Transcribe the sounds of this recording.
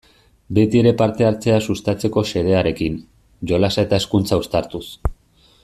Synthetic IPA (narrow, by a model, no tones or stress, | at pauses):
be̞t̪ie̞ɾe̞paɾt̪e̞aɾt͡se̞asust̪at͡se̞ko̞se̞ɾe̞aɾe̞kin | ʝo̞lasae̞t̪aeskunt͡saust̪aɾt̪us